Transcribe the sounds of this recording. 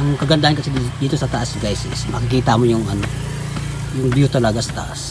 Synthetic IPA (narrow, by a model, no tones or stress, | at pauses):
ʔɐŋkɐɡɐnd̪ahɐnkɐsid̪d̪iːt̪o̞sɐt̪ɐʔasbɛjsɛsmɐkɪkiːt̪ɐmojʊŋʔɐno̞ | jʊŋbjut̪ɐlɐɡasɐ̥t̪ɐ̰ʔas